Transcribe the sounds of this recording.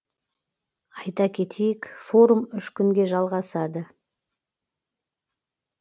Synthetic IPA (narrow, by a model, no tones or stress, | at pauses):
ɑjt̪ɑkʲʰe̞t̪ʰejɪkfo̞ɾumʏʃkʲʏŋɡʲe̞ʒɑlˠʁɑsɑd̪ə